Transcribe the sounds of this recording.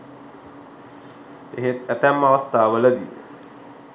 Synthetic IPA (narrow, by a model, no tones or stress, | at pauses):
eɦet̪æt̪æmːaʋəst̪ʰaːʋələd̪ijḛ